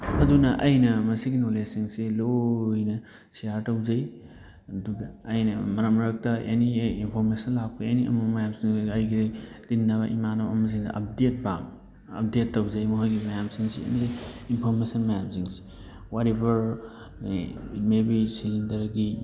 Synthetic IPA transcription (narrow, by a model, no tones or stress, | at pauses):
ɐdunɐʔɐjnɐmɐsiɡinolesiŋselojnɐ | sijaɾtɐwzɐj | ɐduɡɐːjnɐmɐɾɐmɾɐk̚tɐʔḛniinpʰoɾmesɐnlak̚pʰaeniɐ̰mɐmɐjamsiŋɐjɡiltinːɐβɐʔimanɐɐ̰mɐz̬iŋdɐ̰ʔɐp̚det̚ba̰m | ɐ̰p̚detːɐwzɐjmɐɦojɡimɐjamsiŋsḭḛniinpʰoɾmesɐnmɐjamsiŋsi̥ | watebɐɾ | mebisizindɐɾɡi